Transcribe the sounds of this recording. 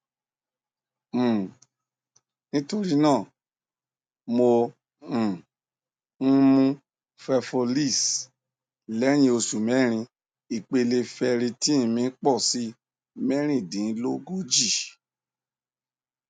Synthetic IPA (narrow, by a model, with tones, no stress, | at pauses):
nĩ˦to˧ɾi˦nãː˦˨ | mõ˧˨˦ | mũ˧ | fɛ˧fo˧li˦˨s | lɛ˦j̃ĩ˧o˧su˨mɛ˦ɾ̃ĩ˧ | i˨k͡pe˧le˧fɛ˧ɾĩ˧ti˦ĩ˧˨mĩ˧˦k͡pɔ˦˨si˦ | mɛ˦ɾ̃ĩ˦˨dĩ˨˦lo˦ɡo˦d͡ʒi˦˨